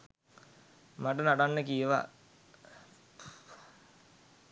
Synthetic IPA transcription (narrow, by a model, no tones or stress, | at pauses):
maʈənaʈanːəkijəʋa̰